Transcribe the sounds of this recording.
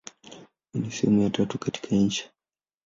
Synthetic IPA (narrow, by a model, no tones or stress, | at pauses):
unisɛ̰mujatatukati̥kʰaɲ̩t͡ʃi̥